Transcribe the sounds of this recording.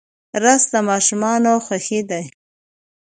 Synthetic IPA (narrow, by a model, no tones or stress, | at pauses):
ɾast̪amɑʃʊmɑnawxaxid̪aj